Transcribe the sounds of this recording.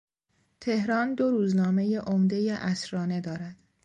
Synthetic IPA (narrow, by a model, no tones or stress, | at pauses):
t̪ʰe̞hɾɒːnd̪oɾuːznɒːme̞jeʔomd̪e̞jeʔæsɾɒːne̞d̪ɒːɾæd̪̥